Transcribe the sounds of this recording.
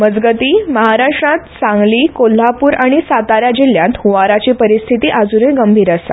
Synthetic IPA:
məd͡zɡət̪iːməɦaɾaʂʈɾãt̪sãŋɡliːkol̤ːapuːɾaɽ̃isat̪aɾjad͡ʑil̤ːjãnt̪huʋaɾat͡ɕipəɾist̪ʰit̪iːʔad͡zuneɡəmbʱiːɾasa̰

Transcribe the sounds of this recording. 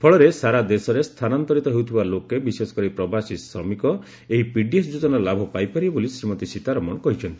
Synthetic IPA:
pʰɔɭɔɾesaɾad̪esɔɾest̪ʰanant̪ɔɾit̪ɔɦewt̪ʰibalokebisesɔ̥kɔɾipɾɔbasisɾɔmikɔ | eɦipiɖiesd͡ʒut̪ɔnaɾɔlabʱɔpajpaɾibolisɾimɔt̪isit̪aɾɔmɔɳɔkɔɦit͡ʃʰɔnt̪i̥

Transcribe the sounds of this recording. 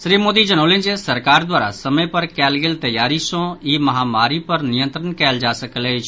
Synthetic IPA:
sɾiːmoːd̪id͡ʒənõːlẽːnd͡ʒesɐɾkaːɾd̪waːɾa̰sɐmə̃pɐɾkɛːlɡɪlt̪ɐjaːɾisõiːmɐɦaːmaːɾipɐɾnɪjə̃nt̪ɾənkɛːld͡ʒaːsəkled͡ʒ

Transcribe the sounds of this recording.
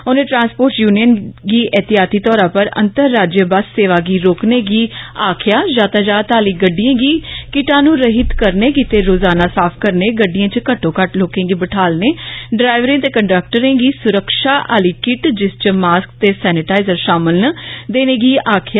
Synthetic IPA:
onẽːʈɾãːnspoːɾʈjuːnijənɡiːʔɛːt̪ɪjaːt̪iːt̪ɔːɾãːpəɾə̰nt̪əɾːaːd͡ʒjəbassːeːʋaːɡiːɾoːkneːɡiːaːkʰɪjaːd͡ʒaːt̪aːd͡ʒaːt̪aːliːɡəɖːijãːɡiːkɪʈãːnũːɾəɦɪt̪kəɾneːkit̪eːɾoːzaːnaːsaːpʰkəɾneːɡəɖːɪjãːt͡ʃkəʈːõːkəʈloːkẽːɡiːbəʈʰaːlneːɖɾaːɪʋɾẽːt̪eːkəɳɖək̚ʈəɾẽːɡiːsʊɾəkʃaːʔaːliːkɪʈd͡ʒɪst͡ʃəmaːsk̚t̪eːsɛːnɪʈaːɪzəɾʃaːmɪlnəd̪eːneːɡiːʔaːkʰɪjaː

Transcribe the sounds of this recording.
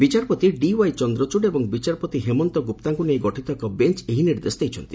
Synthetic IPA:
bit͡ʃaɾpɔt̪iɖiwajt͡ʃɔnd̪ɾɔt͡ʃuɖebɔŋbit͡ʃaɾpɔt̪iɦemɔnt̪ɔɡupt̪aŋkunejɡɔʈʰit̪ɔekɔbent͡ʃeɦiniɾd̪esɔd̪ejt͡ʃʰɔ̰nt̪i̥

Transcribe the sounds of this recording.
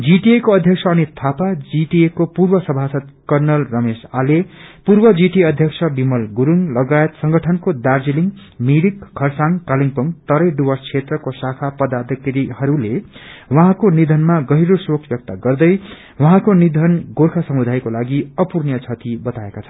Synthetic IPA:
d͡ziʈiekoʌd̪ʱjʌksʰʌʌnit̪ʰapad͡ziʈiekopurbʌsʌbʱasʌt̪kʌrnʌlrʌmesalepurbʌd͡ziʈiʌd̪ʱjʌkt͡sʰʌbimʌlɡuɾuŋlʌɡaet̪sʌŋɡʌʈʰʌnkod̪ard͡ziliŋ | miɾikːʰʌrsaŋkaliŋpʌŋt̪ʌɾʌjɖuwʌrst͡sʰet̪rʌkosakʰapʌd̪ad̪ikɾihʌɾulewʌɦãkonid̪ʱʌnmaɡʌɦjɾosokʰbjʌk̚t̪aɡʌrd̪ʌj | wʌɦãkonid̪ʱʌnɡorkʰasʌmud̪ʱajkolaɡiʌpurnjʌt͡sʰʌt̪ibʌt̪aekat͡sʰʌn

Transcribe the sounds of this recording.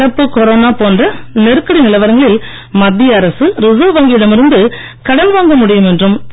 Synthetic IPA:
ɽɐpːɯkɔɾoːnaːpoːndrɐnɛɾɯkːɐɽinɪlɐʋɐɾŋɡɐɭɪl | mɐd̪ːijɐɾɐsɯɾɪzoːʋɐːŋɡɪjɪɽɐmɪɾɯnd̪ɯ | kɐɽɐnʋaːŋɡɐmʊɽɪjɯmɛndrɯm

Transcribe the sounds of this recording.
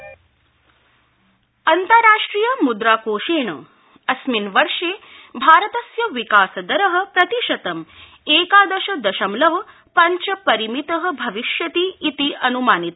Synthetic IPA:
ɐnt̪ɐɾaːʂʈɾiːjɐmud̪ɾaːkoːʂeːɳɐ̰ | ɐsminʋɐɾʂeː | bʱaːɾɐt̪ɐsjɐʋikaːsɐd̪ɐɾɐɦɐ̆pɾɐt̪iʃɐt̪ɐm | eːkaːd̪ɐʃɐd̪ɐʃɐmlɐʋɐ | pɐɲt͡ʃɐpɐɾimit̪ɐɦɐ̆bʱɐʋiʃjɐt̪iːt̪iʔɐnumaːnit̪

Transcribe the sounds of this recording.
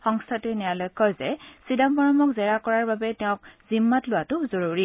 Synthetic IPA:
xɔŋstʰatɛnɛjalɔjkʰːɔzɛsidambɔɹɔmɔkzɛɹakɔɹaɹbabɛtɛʊ̃k̚z̥imːatlʊwatʊzoɹuɹi

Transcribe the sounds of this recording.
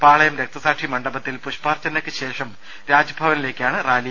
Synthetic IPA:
paːɭɐjɐmɾek̚t̪ɐsaːkʂimɐɳɖɐbɐt̪ːilpuɕpaːrt͡ɕːɐnːɐkːɨɕe̞ːʂɐm | ɾaːd͡ʑɐbʱɐʋɐnile̞ːkʲːaːɳɨraːli

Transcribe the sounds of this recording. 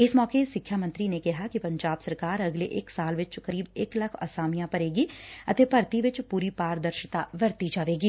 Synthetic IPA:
ɪsmɔːkesɪkʰːjamə̃nt̪ɾinekɪɦakipɐ̃ɲd͡ʒaːbsɐɾkaːɾɐɡleʔeːksaːlʋɪt͡ʃkɐɾiːbeːklɐkʰɐ̰saːmijãpɐɾeːɡiɐt̪epɐɾt̪iʋɪt͡ʃpuːɾipaːɾd̪ɐɾʃət̪aʋɐɾt̪id͡ʒaːʋeːɡiː

